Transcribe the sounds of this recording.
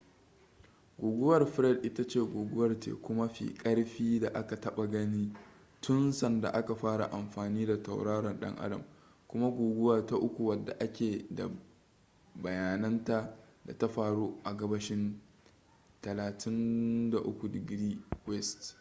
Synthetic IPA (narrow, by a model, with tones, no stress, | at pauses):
ɡʷuː˨ɡʷʊ˦wɐ˨rɸɾɛ˦˨dʔɪ˦ta˦t͡ʃeː˦˨ɡʷuː˨ɡʷʊ˦wɐ˨rtḛː˨kʷʊ˦ma˦ɸḭː˨kʼɐ˦ɽɸiː˦da˨ʔa˦ka˨tɐ˦ɓa˨ɡɐ˦niː˦ | tʊ˦nsɐ˨nda̰˨ʔa˦ka˨ɸaː˦ɽa̰˨ʔa˨mɸaː˨niː˦da˨ta̰˨wɽaː˦ɽɐ˨nɗɐ̰˦ŋʔa̰˦dɐ̰˨m | kʷʊ˦ma˦ɡʷoː˨ɡʷʊ˦waː˦˨ta˦ʔʊ˦kʷu˨wɐ˨dːa̰˨ʔa˦kʲeː˨da̰˨ | bɐ˨jaː˨nɐ˦nta˦da̰˨ta˦ɸaː˨ɽoː˦ʔa˨ɡɐ˦bɐ˦ʃɪ˦n | tɐ˨laː˨tʰɪ˦nda˨ʔʊ˦kʷu˨dɡɪ˦ɾiː˦kwɛ˦˨st